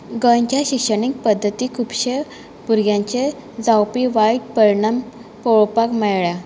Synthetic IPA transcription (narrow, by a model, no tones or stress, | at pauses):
ɡəɲt͡ɕjaɕikʂəɽik̚pəd̪ʱːət̪ikʰupɕe | puɾɡjãɲt͡ɕe | d͡zawpiʋaiʈ̚pəɾɳəmpɔɭpakmɛjɭa